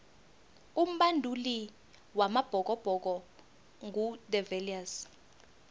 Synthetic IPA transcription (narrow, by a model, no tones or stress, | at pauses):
um̩ɓandʱuli | wamab̥ʱɔk̬ɔb̥ʱɔk̬ɔ | ŋʱudɛvɛlias